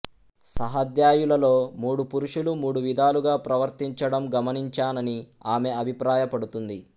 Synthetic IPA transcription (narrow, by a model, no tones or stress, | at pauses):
sɐɦɐd̪jaːjulɐlo̞ːmuːɽupuɾuʂulumuːɽuʋid̪ʱaːluɡaːpɾɐʋɐɾt̪iɲt͡ʃɐɽɐmɡɐmɐniɲt͡ʃaːnɐni | aːme̞ɐbʱipɾaːjɐpɐɽut̪und̪i